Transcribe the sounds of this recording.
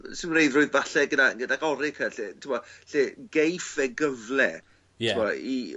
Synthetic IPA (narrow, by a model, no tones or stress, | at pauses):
sɪnmnejðrʊːɨðvaɬɛɡədaənɡədaɡɔɾɪkʰəɬetʰɪmɔɬeːɡ̥ejfɛɡəvlɛ | mɔi